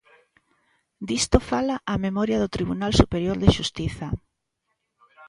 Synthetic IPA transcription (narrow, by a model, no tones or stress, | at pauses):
d̪ist̪ofalaʔːmemɔɾjɐðot̪ɾiβ̞unalsupeɾjoɾðɪʃust̪iθɐ